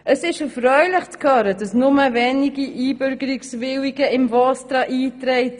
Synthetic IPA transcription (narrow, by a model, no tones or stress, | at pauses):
əsɪʃəfɾœʏlɪχt͡skʰœɾədɑsnʊməvɛniɡiʔiːbʏɾɡəɾɪksvɪwiɡəɪmvɔstɾɑʔiːtɾɛɪt